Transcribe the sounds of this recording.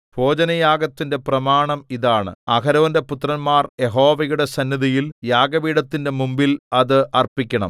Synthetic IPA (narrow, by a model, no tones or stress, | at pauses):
bʱo̞ːd͡ʑɐnɐjaːɡɐt̪ːinde̞prɐmaːɳɐmiðaːɳɨ̰ɐkʰɐɾɐʋɐnde̞put̪ːrɐnmaːrje̞ɦo̞ːʋɐjuɽe̞sɐnːiðijiljaːɡɐʋiːɽɐt̪ːinde̞mumbilɐðɨɐrpikʲːɐɳɐ̰m